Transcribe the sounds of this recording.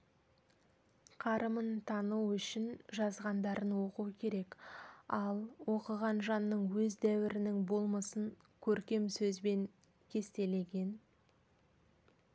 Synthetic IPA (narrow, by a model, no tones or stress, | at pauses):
qʰɑɾəmənt̪ʰɑnuwʏʃɪnʒɑzʁɑnd̪ɑɾənwo̞quəkʲʰe̞ɾe̞kɑlˠwo̞qəʁɑnʒɑnːəɴwɵzd̪æwɪɾɪnɪŋbo̞lˠməsən | kʲʰɵɾkʲe̞msɵzbe̞ŋ | kʲʰe̞st̪e̞le̞ɡʲe̞n